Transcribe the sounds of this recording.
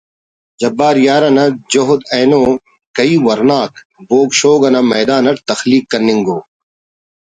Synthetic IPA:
d͡ʑɐbːaːɾjaːɾɐnɐd͡ʑoɦʊd̪eːnoː | kɐiːwɐɾnaːk | boːɡʃoːɡɐnɐmɐːd̪aːnɐɾt̪ɐxliːkːɐnːiŋɡoː

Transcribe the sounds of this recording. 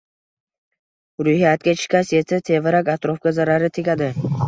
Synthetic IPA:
ɾʊhijat̪̚kʲat͡ʃʰɪ̥kʲasjesat̪ʰevɪɾakʲat̪ɾofkʲazaɾaɾɪt̪ʰɪkʲad̪ɪ

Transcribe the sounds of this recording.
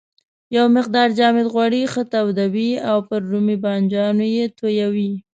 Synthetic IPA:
jawmɪqd̪ɑɾd͡ʒɑmɪd̪ɣwɑɽixət̪awd̪awiawpəɾːumibɑnd͡ʒɑnojet̪ojawi

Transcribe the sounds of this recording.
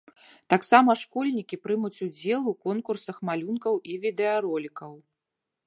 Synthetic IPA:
t̪aksamɐʂkɔlʲnʲikʲipɾɨmut͡sʲud͡zʲɛlˠukɔnkursɐxmalʲunkɐwʔivʲid̪ɛɐɾɔlʲikɐw

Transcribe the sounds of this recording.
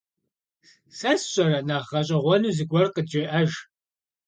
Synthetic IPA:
sɐsɕʼɐrɐnaʁɐɕʼɐʁʷɔnuːzɨɡʷʼɔrqəd͡ʒeːʔɐʒ

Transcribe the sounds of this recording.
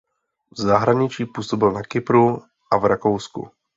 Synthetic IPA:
vzaɦɾaɲɪt͡ʃiːpuːso̞bɪlnakɪpɾu | ʔavɾakowskṵ

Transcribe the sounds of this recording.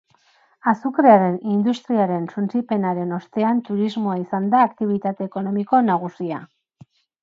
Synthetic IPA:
asukɾeaɾe̞nind̪ust̪ɾiaɾe̞nsunt͡sipe̞naɾe̞no̞st̪e̞ant̪uɾizmo̞aisand̪aːkt̪iβ̞it̪at̪e̞ːko̞no̞miko̞naɣ̞usia

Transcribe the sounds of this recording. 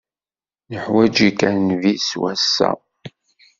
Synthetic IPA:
nəħwæd͡ʒikæɾnviswæsːæ̰

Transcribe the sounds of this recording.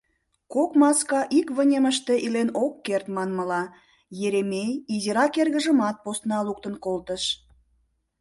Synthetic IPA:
kokmɑskɑʔikβənʲeməʃt̪eʔilenokːert̪mɑnməlɑ | jeɾemejiziɾɑkerɣə̆ʒəmɑt̪̚post̪nɑluk̚t̪ənkolt̪əʃ

